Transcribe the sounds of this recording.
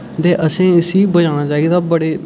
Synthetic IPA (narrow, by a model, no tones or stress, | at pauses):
t̪eːʔəsẽːɪsiːbəd͡ʒaːɽ̃aːt͡ʃaːiːd̪aːbəɽeː